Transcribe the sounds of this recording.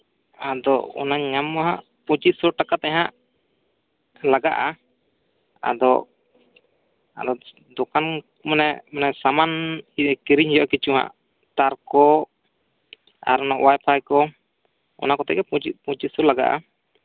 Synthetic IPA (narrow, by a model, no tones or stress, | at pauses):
ad̪ɔɔ̰naɲamːaɦãʔ | pũt͡ʃit̪̚sɔɾʈakat̪ɛɦãʔ | laɡaʔa | a̰d̪ɔ | a̰d̪ɔ | d̪ɔkan | manɛmɔnɛsamanit̪ɛkiɾiɲhɛjɔʔkit͡ʃuɦa̰ʔ | t̪aɾkɔ | a̰ɾɔnaʔwajpʰajkɔ | ɔ̰nakɔt̪ɛ̰ʔɡɛput͡ʃipũt͡ʃisɔɾlaɡa̰ʔa̰